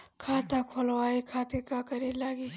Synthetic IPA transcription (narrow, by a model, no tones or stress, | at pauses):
kʰaːt̪akʰolwaikʰaːt̪iɾkakəɾilaːɡi